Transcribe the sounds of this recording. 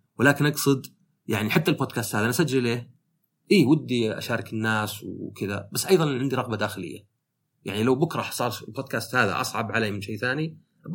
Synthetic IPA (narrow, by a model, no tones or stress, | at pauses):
wɪlaːkɪnʔɑɡsˤɨd̪ | jaʕniħat̪ːalboːd̪kaːst̪haːðanasad͡ʒːɪlːeːh | ʔiːwɪd̪ːiʔa̰ʃaːɾˤɑkɪnːaːswkɪða̰basːʔɑjðˤɑnʕɪnd̪iɾˤɑɣbad̪aːxɪlɪ̰jːa̰ | ja̰ʕnilawbʊkɾˤɑħsˤɑːɾˤboːd̪̚kaːst̪haːða̰ʔɑsˤʕɑbʕalamɪnʃeːθaːni